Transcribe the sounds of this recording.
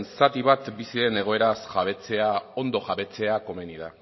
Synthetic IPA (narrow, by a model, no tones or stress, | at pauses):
nsat̪iβ̞at̪bisie̞ne̞ɣ̞o̞e̞ɾasʝaβ̞e̞t͡se̞ao̞nd̪o̞ʝaβe̞t͡se̞ako̞me̞niða